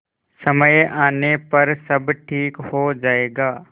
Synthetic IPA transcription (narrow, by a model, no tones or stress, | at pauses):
sɐməjʔaːnepɐɾsɐbʈʰiːkhod͡ʒaːeːɡaː